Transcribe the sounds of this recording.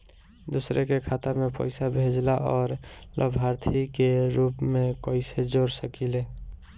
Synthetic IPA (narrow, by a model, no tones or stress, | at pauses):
d̪usɾekekʰaːt̪amẽpə̰jɪsabʱeːd͡ʒlaʔɔːɾlʔə̰bʱaːɾt̪ʰikeɾuːpmẽkəɪsed͡ʒoːɾsəkileː